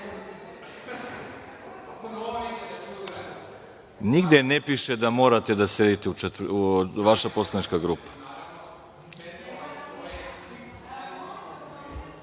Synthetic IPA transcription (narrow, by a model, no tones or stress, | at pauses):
niɡd̪ʲjenepiʃed̪amo̞ːɾat̪ed̪ased̪it̪eut͡ʃet̪uʋaʃapo̞slˠanit͡ʃkaɡɾupḁ